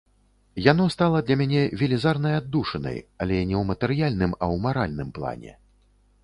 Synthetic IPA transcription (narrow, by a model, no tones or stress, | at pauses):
jan̪ɔst̪alˠɐd̪lʲɐmʲanʲɛvʲɛlʲizarnɐjad̪ːuʂɐnɐ̰jalʲɛnʲɛwmɐt̪ɛɾjalʲnɨmɐ̰wmaɾa̰lʲnɨmplˠa̰nʲɛ̰